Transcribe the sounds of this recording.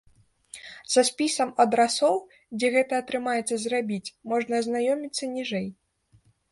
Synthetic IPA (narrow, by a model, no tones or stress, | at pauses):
z̥ɐsʲpʲisɐmɐd̪ɾasɔw | d͡zʲɛɣɛt̪ɐːt̪ɾɨmajɛt̪sːɐzrabʲit͡sʲmɔʐnɐːznajɔmʲit̪sːɐnʲiʐɛj